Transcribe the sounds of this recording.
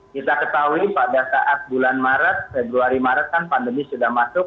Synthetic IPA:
kit̪akət̪aɦuipadasaʔat̪̚bulanmaɾat̪̚febɾuaɾimaɾat̪̚kanpandəmisudahmasʊk

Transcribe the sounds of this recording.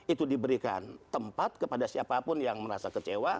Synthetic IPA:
it̪udibəɾika̰nt̪əmpat̪̚kəpadasiapapʊnjaŋməɾasakət͡ʃewa

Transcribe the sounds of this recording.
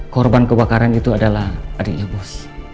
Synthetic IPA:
kɔrbankəbakaɾanit̪uadalahadik̚jabɔs

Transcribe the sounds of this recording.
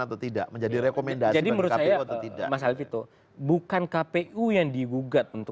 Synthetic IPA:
at̪at̪ida̰ʔməɲd͡ʒadiɾekomendad͡ʒadiməɾʊt̪sajat̪ida̰mas̬alɪfit̪o | bukankapeʔujaŋdiɡuɡat̪̚unt̪ʊ

